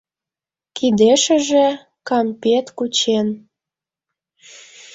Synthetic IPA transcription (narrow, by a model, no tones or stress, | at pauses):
kid̪eʃə̆ʒe | kɑmpʲet̪kut͡ɕen